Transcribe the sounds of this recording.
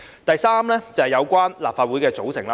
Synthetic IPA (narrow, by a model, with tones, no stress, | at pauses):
t̪ɐ˨jsaː˥mlɛː˥t͡sɐ˨˩hɛ˨jɐ˨˧wkʷaː˥nlaː˨p̚faː˧t̚u˨˥jkɛː˧t͡so˨˥wsɪ̰˨˩ŋlaː˧